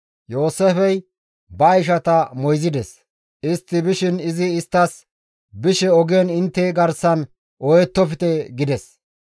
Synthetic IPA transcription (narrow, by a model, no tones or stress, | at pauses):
jo̞ːsɛfɛj | bɐːjʃ̬ɐt̪ɐmɔjzɪd̪ɛs | ɪst̪ːɪbɪʃɪnɪzɪːst̪ːɐs | bɪʃɛɔɡɛnɪnt̪ːɛɡɐɾsɐn | ʔɔjɛt̪ːɔfɪt̪ɛɡɪd̪ɛs